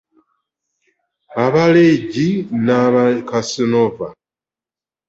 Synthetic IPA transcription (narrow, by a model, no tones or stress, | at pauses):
aβaleɟinaβakasinova